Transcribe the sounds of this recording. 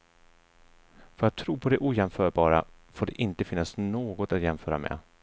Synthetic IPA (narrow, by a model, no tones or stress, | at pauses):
fœɾat̪ʰːɾuːpʰɔd̪ɛʔuːjɛmfœːɾbɑːɾafoːɖɛʔɪnt̪əfɪnːasnoːɡɔt̪at̪jɛmfœːɾa̰mɛ̰